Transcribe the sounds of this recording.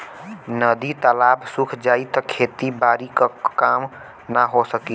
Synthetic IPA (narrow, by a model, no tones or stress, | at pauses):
nəd̪it̪əlabsukʰd͡ʒait̪ɔkʰet̪ibaɾikəkam | naɦosəki